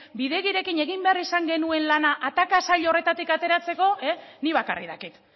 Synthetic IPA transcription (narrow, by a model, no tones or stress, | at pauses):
biðe̞ɣiɾe̞kine̞ɣ̞imbe̞arisaŋɡe̞nue̞nlanaʔat̪akasaʎore̞t̪at̪ikat̪e̞ɾat͡se̞ko̞eniβaka̰rḭða̰kik̪